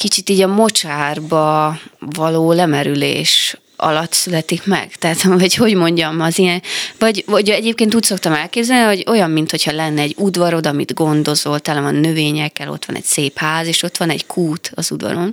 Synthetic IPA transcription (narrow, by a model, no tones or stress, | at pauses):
kit͡ʃit̪iːɟɒmo̞t͡ʃaːrbɒvɒloːlɛmɛɾylḛːʃ | ʔɒ̰lɒt̪sylɛt̪ikmɛ̰ɡ̥t̪ɛɦat̪vɒcho̞ɟmo̞ɲɟɒmɒzijɛnvɒɟɒɟɛɟeːp̚keːnt̪uːcʲso̞k̚t̪ɒmɛlkeːbzɛlniɦoɟo̞jɒmːint̪ho̞chɒlɛnːɛɛɟːud̪vɒɾo̞d̪ɒmḭd̪ɡo̞nd̪o̞zo̞lt̪ɛlɛvɒnːø̞veːɲɛkːɛlo̞̰t̪ʋɒ̰nɛ̰ɟseːphaːzeːʃo̞t̪ʋɒnɛ̰ɟkʰuːt̪ɒzud̪vɒ̰ɾo̞n